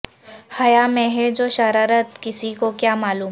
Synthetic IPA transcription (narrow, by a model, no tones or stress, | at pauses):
hɐjamẽɦɛd͡ʒoːʃɐɾaːɾət̪kɪsikokjaːmaːluːm